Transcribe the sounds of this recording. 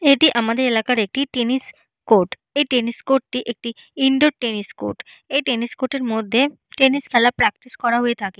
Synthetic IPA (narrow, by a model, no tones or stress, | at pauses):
eʈiʔamad̪eɾelakaɾek̚ʈiʈenis | koʈ | ejʈeniskoʈːʈiʔek̚ʈi | iɳɖoʈenisko̰ʈ | ejʈeniskoʈeɾmod̪ʱːe | ʈeniskʰɛlapɾɛk̚ʈiskɔɾaɦoet̪ʰake